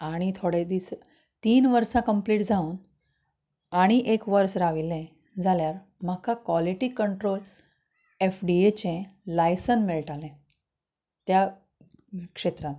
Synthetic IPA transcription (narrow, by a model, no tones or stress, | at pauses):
aɽ̃it̪ʰoɽed̪is | t̪iːnʋəɾsãkəmpliːʈd͡zʱauːn | aɽ̃iʔekʋəɾsɾaʋilẽ | d͡zʱaljaɾ | m̤akakʋaliʈiːkəɳʈɾol | efɖiet͡ɕẽlajsənmeɭʈalɛ̃ | t̪ja | kʂet̪ɾãt̪